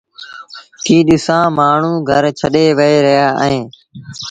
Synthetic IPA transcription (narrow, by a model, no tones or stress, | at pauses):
kiːɗɪsãːmaːɳ̤ũːɡʱəɾt͡ʃʰəɗeːʋəeːɾəɦjaːẽː